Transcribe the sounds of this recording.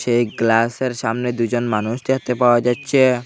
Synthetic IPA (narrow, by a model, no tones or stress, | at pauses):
ʃejɡlaseɾʃamned̪ud͡ʑonmanuʃd̪ekʰt̪epaoad͡ʑatːɕʰe